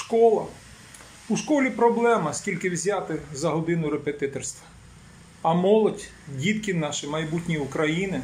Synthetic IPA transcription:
ʃkɔlˠɐ | uʃkɔlʲipɾɔblˠɛmɐskʲilʲkɪwzʲat̪ɪzɐɦɔd̪ɪnʊɾepet̪ɪt̪ɔrst̪ʋɐ̥ | ɐmɔlˠɔdʲ | dʲit̪kɪnɑʃɪmɐjbutʲnʲiʊkɾɐjinɪ

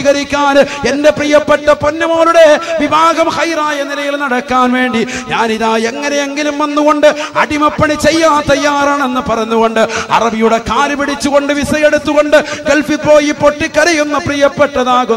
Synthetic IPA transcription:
iɣɐɾikʲːaːnende̞prijɐpːeʈːɐponːɐmoːluɽe̞ʋibʱaːɡɐmhɐjraːjɐnilɐjilnɐɽɐkːaːnʋe̞ːɳɖiɲaːniðaːjeŋːɐnejeŋɡilumʋɐnːuɣo̞ɳɖɨɐ̰ɽimɐpːɐɳit͡ɕe̞jːaːt̪ɐjːaːraːɳe̞nːɨpɐrɐɲːuɣo̞ɳɖɨɐ̰rɐbijuɽe̞kaːɾupiɽit͡ɕːuɣo̞ɳɖɨʋisɐjeɽut̪ːuɣo̞ɳɖɨɡelfipːo̞ːjipːo̞ʈːikːɐɾɐjunːɐprijɐpːeʈːɐðaːɣu

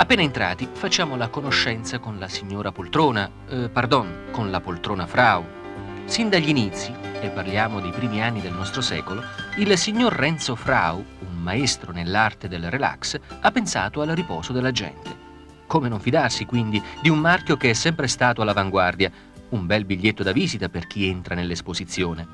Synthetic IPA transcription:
apːeːnaent̪ɾa̰ːt̪ifat͡ʃːaːmolakonoʃːɛnt̪sakonlasiɲːoːɾapolt̪ɾoːna | pard̪ɔnkonlapolt̪ɾoːnafɾaw | sind̪aʎːinit̪sːiepːarljaːmod̪ejpɾiːmianːid̪elnɔst̪ɾosɛ̰ːkoloilsiɲːorːɛnt̪sofɾa̰uummaest̪ɾonelːart̪ed̪elrela̰ksapːensa̰ːt̪oalripɔːzod̪elːad͡ʒɛ̰nt̪e | koːmenoɱfid̪arsikwind̪id̪iumːarkjokeɛsːɛmpɾest̪aːt̪oalːavaŋɡward̪ja | umbɛlbiʎːet̪ːod̪aviːzit̪aperk̟ient̪ɾanelːespozit̪sːjoːne

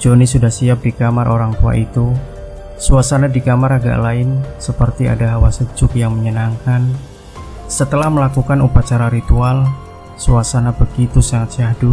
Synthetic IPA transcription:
d͡ʒonisudahsiap̚dikamarʔoɾaŋt̪ua̰ʔit̪u | suasanadikamaɾaɡa̰ʔlaɪnsəpərt̪ia̰daɦawasəd͡ʒʊk̚jaŋməɲənaŋkan | sət̪əlahməlakukanupat͡ʃaɾaɾit̪ual | suasanabəɡit̪usaŋat̪̚siahdu

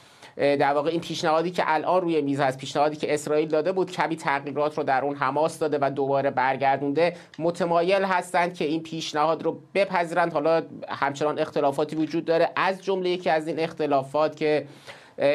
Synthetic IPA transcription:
d̪æɾvɒːɣeiːnpʰiːʃnæhɒːd̪iːcʰḛʔælʔɒːnruːjemiːzhæst̪piːʃnæhɒːd̪iːkcʰe̞esɾɒːiːld̪ɒːd̪e̞buːd̪̥cʰæmiːt̪ʰæɣiːɾɒːt̪ʰɾoːd̪æɾʔuːnɦæmɒːsd̪ɒːd̪e̞væd̪obɒːɾe̞bæɾɟæɾd̪und̪e̞ | mot̪ʰemɒːje̞lɦæst̪ænd̪̥̚cʰe̞iːnpʰiːʃnæhɒːd̪rob̥e̞pʰæziːɾænd̪hɒːlɒhæmt͡ʃʰe̞nɒːne̞xt̪e̞lɒːfɒːt̪ʰiːvod͡ʒuːd̪ːɒːɾeʔæzd͡ʒomle̞je̞cʰiːæziːne̞xt̪e̞lɒːfɒːt̪ʰcʰe̞

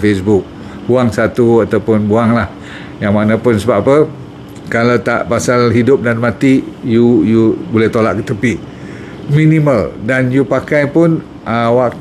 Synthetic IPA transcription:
fesbʊk̚ | huaŋsat̪uat̪awpʊnbuaŋlah | jaŋmanapʊnsəbapə | kalat̪a̰ʔpasalɦidʊp̚danmãt̪ijujubolɛht̪olaʔkət̪əpiʔ | mĩnĩməldanjupakajpʊn | ʔawaʔ̚

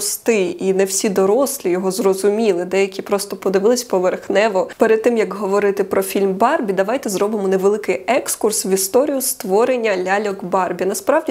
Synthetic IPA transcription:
st̪ɪinɛwsʲid̪ɔɾɔslʲijɔɦɔzrɔzʊmʲilˠɪd̪ɛjɐkʲipɾɔst̪ɔpɔd̪ɪʋɪlˠɪsʲpɔʋerxnɛʋɔpeɾɛd̪̚t̪ːɪmjɐkɦɔʋɔɾɪt̪ɪpɾɔfʲilʲmbɑrbʲid̪ɐʋajt̪ɛzɾɔbɪmɔnɛʋelˠɪkɪjɛkskursʋʲist̪ɔɾʲijʊst̪ʋɔɾenʲːɐlʲalʲɔɡbɑrbʲinɐspɾɑʋdʲi

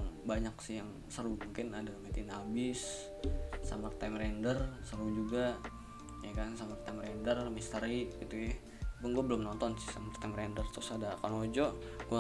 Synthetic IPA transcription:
baɲaksɪhjaŋ | səɾumuŋkɪnadamat̪inabɪsː | a̰mərt̪amɾɛndərsəɾud͡ʒuɡa | jakansamart̪amrɛndərmist̪əɾikɡit̪ujɛh | kʊnɡuabəlʊmnɔnt̪ɔnsɪ̥hsamart̪amɾɛndərt̪ʊsadakanod͡ʒɔʔɡua

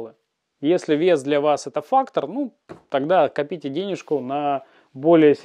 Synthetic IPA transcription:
lˠɨ | jesʲlʲɪvʲe̞sd̪lʲɐvasɛt̪əfakt̪ərnu | t̪ɐɡd̪akɐpʲitʲɪdʲenʲɪʂkʊnɐ | bo̞lʲɪjəsʲ

